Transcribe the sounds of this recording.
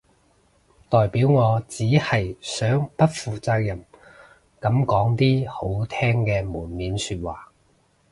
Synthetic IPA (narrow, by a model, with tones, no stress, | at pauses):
t̪ɔː˨jpiː˨˥wŋɔː˨˧t͡siː˨˥hɐ˨jsœː˨˥ŋpɐ˥t̚fuː˨t͡saː˧k̚jɐ˨˩m | kɐ˨˥mkɔː˨˥ŋt̪iː˥ho˨˥wt̪ʰɛː˥ŋkɛː˧muː˨˩nmiː˨˥nsyː˧t̚waː˨˩